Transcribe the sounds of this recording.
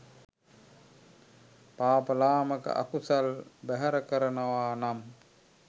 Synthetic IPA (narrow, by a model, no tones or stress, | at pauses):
paːpəlaːməkə̰ʔa̰kusalbæɦəɾəkəɾənəʋaːnam